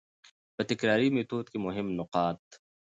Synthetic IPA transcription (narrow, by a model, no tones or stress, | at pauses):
bɐt̪ɪkɾaːɾimit̪uːt̪kimʊɦɪmnʊqaːt̪